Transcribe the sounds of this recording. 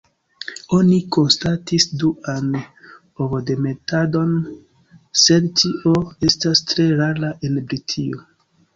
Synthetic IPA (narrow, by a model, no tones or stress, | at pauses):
o̞niko̞nstatisduan | ovode̞me̞tado̞n | se̞dtiʔoe̞stastɾe̞ɾaɾaʔe̞nbɾitʰio